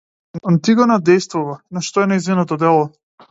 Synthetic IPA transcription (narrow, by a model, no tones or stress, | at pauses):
ant̪iɡɔnad̪ɛjst̪vuvanaʃt̪ɔɛnaizvinɔt̪ɔd̪ɛlˠɔ